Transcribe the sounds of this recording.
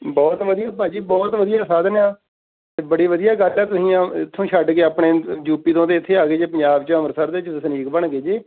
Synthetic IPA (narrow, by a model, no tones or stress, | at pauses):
bɔːt̪ʋəd̪ijaːpãːd͡ʒiːbɔːt̪ʋəd̪ijaːsaːd̪njãː | bəɽiːʋəd̪ijaːɡəlɛːt̪ʊsĩːãːɪt̪ʰːõːʃəɖkeːaːpɳeːd͡ʒuːpiːt̪õːt̪eːɪt̪ʰːeːaːɡeːd͡ʒeːpəɲd͡ʒaːbt͡ʃəməɾsəɾd̪eːt͡ʃəsəniːkbəɳɡeːd͡ʒeː